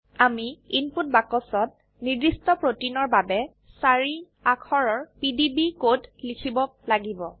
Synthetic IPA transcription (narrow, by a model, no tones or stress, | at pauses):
amiinput̚bakɔsɔt̚ | nidistɔpɹotinɔɹbabɛ | saɹi | akʰɔɹɔɹpidibikotlikʰibɔlaɡibɔ